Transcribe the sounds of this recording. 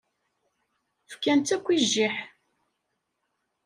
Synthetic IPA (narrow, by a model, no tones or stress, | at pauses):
fkːænt̪ækʷːiʒːiħ